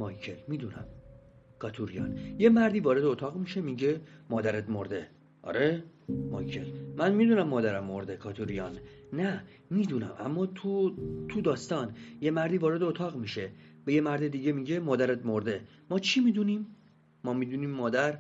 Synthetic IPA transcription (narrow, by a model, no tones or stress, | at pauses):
mɒːjcʰelmiːd̪unæ̰m | kʰɒːt̪ʰuɾijɒ̰ːnjemæɾd̪iːvɒːɾe̞d̪eot̪ʰɒːɣmiʃemiːɟemɒːd̪æɾed̪moɾd̪e̞ | ʔɒ̰ɾʔemɒ̰ːjcʰelmænmid̪uːnæmːɒːd̪æɾæmːo̞ɾd̪e̞kʰɒːt̪ʰuɾijɒːnːæ | miːd̪unæ̰mʔæ̰mːɒːt̪ʰut̪ʰud̪ɒːst̪ɒːnjemæɾd̪iːvɒːɾed̪eot̪ʰɒːɣmiːʃeb̥ejemæɾd̪ed̪iːɟemiːɟemɒːd̪æɾed̪moɾd̪e̞ | mɒːt͡ʃʰiːmiːd̪uniːmː | ɒːmiːd̪uniːmːɒːd̪æɾ